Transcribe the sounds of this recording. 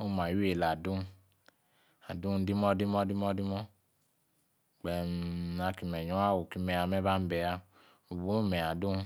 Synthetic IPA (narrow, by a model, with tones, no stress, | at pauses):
o˦˨ma˨ju˦e˨la˨du˦n˦ | a˨du˦n˦di˦mɔ˦di˦mɔ˦di˦mɔ˦di˦mɔ˦˨ | ɡ͡bɛ˨na˧ki˨mɛ˨ɲɔ˦a˦˨wo˨ki˧˦mɛ˧a˧mɛ˦ba˦m̩˦bɛ˧a˧ | u˨bu˨˦˨mɛ˨a˨du˦n˦